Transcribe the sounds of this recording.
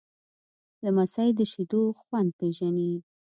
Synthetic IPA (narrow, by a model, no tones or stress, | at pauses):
lamasajd̪əʃid̪oxwand̪̚peʒani